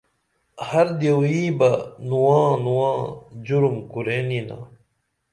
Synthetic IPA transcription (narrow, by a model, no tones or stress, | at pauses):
hɐɾd̪jewĩːbɐnuwãːnuwãːd͡ʑuɾumkuɾeːnina̰